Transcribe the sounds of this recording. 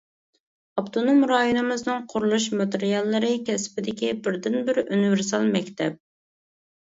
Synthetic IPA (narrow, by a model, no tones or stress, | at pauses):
ɑpt̪ʰonomɾɑːjonɨmɨznɨŋqʰʊɾulˠuʃ̬mɨt̪eɾijɑlˠːɨɾɨkʲʰɛspɪd̪ɪkʲibɪɾd̪ɪnbɪɾunivɪɾs̬ɑlˠmɛkʲt̪ʰɛp̚